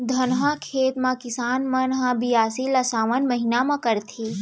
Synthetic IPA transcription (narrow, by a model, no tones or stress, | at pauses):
d̪ʱɐnɦãkʰeːt̪mãkɪsaːnmɐnɦãbijaːsilɐsaːʋənmɐɦinamãkɐɾt̪ʰeː